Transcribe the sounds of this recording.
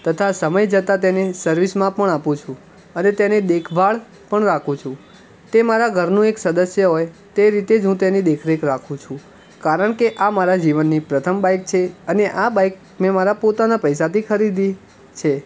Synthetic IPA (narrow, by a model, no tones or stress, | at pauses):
t̪ət̪ʰasəməjd͡ʒət̪at̪enesəɾʋismãpəɳapũt͡ʃʰũ | ənet̪ened̪ekʰʋaɭ | pəɳɾakʰũt͡ʃʰũ | t̪emaɾaɡʱəɾnũeksəd̪əsjəɦojt̪eɾit̪ed͡ʒũt̪enid̪ekʰɾekɾakʰũt͡ʃʰũ | kaɾəɳkeʔamaɾad͡ʒiʋənːipɾət̪ʰəmbajk̚t͡ʃʰeəneʔabajk | mẽmaɾapot̪anapəjsat̪ʰikʰəɾid̪i | t͡ʃʰe